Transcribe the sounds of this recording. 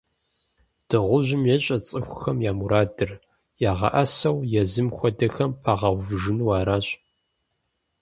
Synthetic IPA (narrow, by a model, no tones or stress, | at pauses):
d̥ɨʁʷʊʑɪmjɛɕʼɐt͡sʼɨxʷʊxɐmjaːmuɾaːdɨr | jaːʁɐ̰ʔɐsɐwjɛzɨmxʷɔdɐxɐmpʰaːʁɐwvʒɨnwɑːɾaːɕʼ